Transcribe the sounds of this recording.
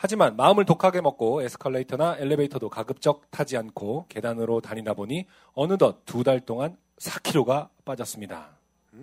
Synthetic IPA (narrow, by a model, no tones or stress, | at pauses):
had͡ʑimanmaɯmɯɭtokʰaɡe̞mʌk̚k͈oesʰɯ̥kʰaɭːeitʰʌnaeɭːebeitʰʌdokaɡɯp̚t͡ɕ͈ʌk̚tʰad͡ʑiankʰoke̞danɯɾotaɲidaboɲi | ʌnɯdʌt̚t͈udaɭt͈oŋan | sʰḁkʰiɾoɡap͈ad͡ʑʌs͈ɯmɲida̰